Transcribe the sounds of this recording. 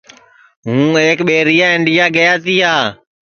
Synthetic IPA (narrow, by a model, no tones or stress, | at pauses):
ɦũːeːkɓeːɾijaːɪɳɖijaːɡəjaːt̪iːɦaː